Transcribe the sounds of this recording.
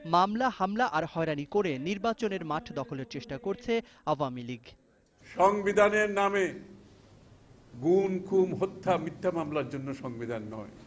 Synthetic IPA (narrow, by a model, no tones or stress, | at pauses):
mamlahamlaʔaɾhɔeɾanikoɾeniɾbat͡ɕoneɾmaʈʰd̪ɔkʰoleɾt͡ɕeʃʈakoɾt͡ɕʰe | awamiliɡ | ʃɔŋbid̪ʱaneɾname | ɡunkʰumɦot̪ʰːamit̪ʰːamamlaɾd͡ʑonːoʃɔŋbid̪ʱanːɔ̰e